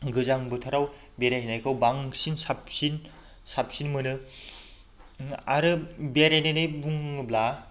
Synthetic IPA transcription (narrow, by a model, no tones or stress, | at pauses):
ɡɯzaŋbɯtʰaɾaw | beɾaɦnajkʰawbaŋsinsapsin | sap̚sinmɯnɯ | a̰ɾɯbeɾajnajnɯjbuŋɯbla